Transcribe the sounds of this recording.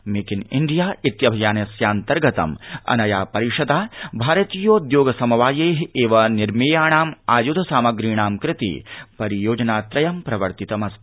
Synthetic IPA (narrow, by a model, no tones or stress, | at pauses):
mekinḭɳɖijaːʔit̪jɐbʱɐjaːnɐsjaːnt̪ɐɾɡɐt̪ɐ̰mɐ̰nɐjaːpɐɾiʂɐd̪aːbʱaːɾɐt̪iːjoːd̪joːɡɐsɐmɐʋaːjeːɦeːʋɐniɾmeːjaːɳaːma̰ːjud̪ʱɐsaːmɐɡɾiːɳaːmkɾɪt̪ḭːpɐɾijoːd͡ʒɐnaːt̪ɾɐjɐmpɾɐʋɐɾt̪it̪ɐmɐst̪